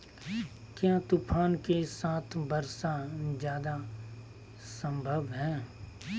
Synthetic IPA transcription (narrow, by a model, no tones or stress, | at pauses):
kjãːt̪ʊpʰaːnkesaːt̪ʰbɐɾsãd͡ʒjaːd̪a | sə̃mbʱəbɦɛ̃ː